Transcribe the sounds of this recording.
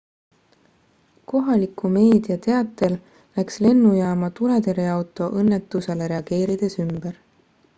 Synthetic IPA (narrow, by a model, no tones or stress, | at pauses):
ko̞ɦɑlikume̞ːd̪iɑt̪e̞ɑt̪ːˑe̞l | læksle̞nːujæːmɑt̪uɾet̪e̞ɾeɑwt̪ˑo̞ʔɤnːe̞t̪ːˑuse̞leɾe̞ɑɡ̥e̞ːɾid̪̥e̞symb̥eɾ